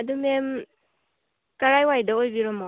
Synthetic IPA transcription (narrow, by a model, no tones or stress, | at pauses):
adumem | kaɾajwajdaojbiɾɔmɔ